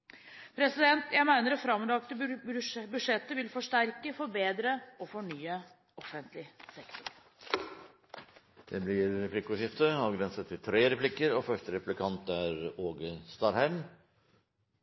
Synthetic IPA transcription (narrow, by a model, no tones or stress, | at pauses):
pʰɾɛsɪd̪ɛnt̪jæɪmæɪnəɾɛfɾɑmlɑkt̪ə | bʉʂɛt̪ːəʋɪlfɔʂʈæɾkəfɔɾbeːd̪ɾəɔfɔɳyːə | ɔfənt̪lɪsɛkt̪ʊɾ | d̪̥ɛblɪɾɛpʰlɪkʊʂɪft̪əɑʋɡɾɛnsət̪ʰːɪlt̪ʰɾeːɾɛpʰlɪkəɾɔfœʂʈəɾɛplɪkʰɑnt̪æɾoːɡəst̪ɑɾhæɪm